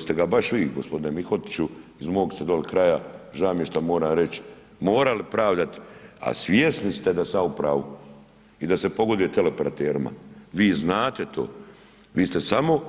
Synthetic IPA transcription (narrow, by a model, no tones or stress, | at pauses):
st̪eɡabaʃʋiːɡospo̞d̪inemixo̞t̪t͡ɕuizmo̞ːɡst̪e̞d̪olikɾajaʒaːmjeʃt̪amoːɾaːɾe̞t͡ɕ | mo̞ːɾalipɾaːʋd̪at̪a̰sʋjesnist̪e̞d̪asaupɾaːʋu | id̪ase̞po̞ɡo̞d̪et̪elepeɾat̪eːɾima̰ʋiːznaːt̪e̞t̪ʰo̞̰ː | ʋiːst̪e̞samo̞